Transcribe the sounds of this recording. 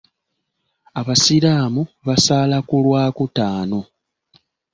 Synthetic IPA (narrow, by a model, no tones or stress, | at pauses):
aβasiɾaːmuβasaːlakulwaːkutaːno̞